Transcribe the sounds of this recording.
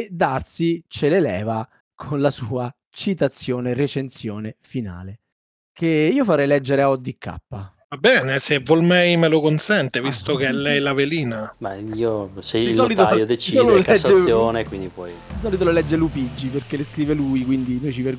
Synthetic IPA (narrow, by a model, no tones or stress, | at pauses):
d̪ːarsit͡ʃelelɛ̰ːva | kʰonlasuːa | t͡ʃit̪at̪sːjoːneret͡ʃensjoːnefina̰ːle | keiːofaɾɛjlɛd͡ʒːeɾeaɔd̪ːikʰːa̰pːa | vabːɛːnesevːolmɛjmelokonsɛnt̪evist̪ok̟eɛlːɛjlaveliːnamaiːosɛd̪ɔːlit̪ojod̪et͡ʃiisɔlkɛd͡ʒːesjoːnekwind̪ipɔjd̪isɔːlit̪olalɛd͡ʒːelupid͡ʒːiperkeleskɾiːvelujkwind̪inojt͡ʃiper